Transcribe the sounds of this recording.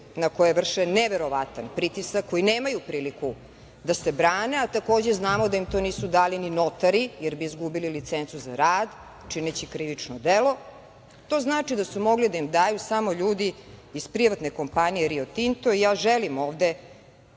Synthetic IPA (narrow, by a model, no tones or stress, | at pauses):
nakojeʋr̩ʂeneʋeɾo̞ʋat̪anpɾit̪isakʰːo̞jineːmajupɾiːliku | d̪asebɾaːneat̪ako̞ːd͡ʑe̞znaːmo̞d̪aimt̪o̞niːsud̪aːlinino̞t̪aɾijeɾbiːzɡubililit̪sent̪suza̰ɾaːd̪ | t͡ʃinet͡ɕikɾiʋit͡ʂnod̪elo̞ | t̪o̞znaːt͡ʂid̪asumo̞ɡlid̪aimd̪aːjusamo̞ʎuːd̪iːspɾiʋat̪neko̞mpanijeɾiot̪int̪o̞ijaːʒelimo̞ːʋd̪e